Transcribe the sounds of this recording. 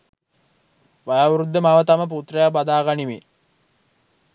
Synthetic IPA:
ʋajaʋuɾud̪ːəmaʋət̪aməp̬ut̪rəjabad̪aːɡanime

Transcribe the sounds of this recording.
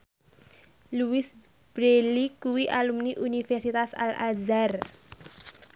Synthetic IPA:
luwɪs | b̥ɾelikuwiʔalumniʔunifɛrsit̪asa̰lazar

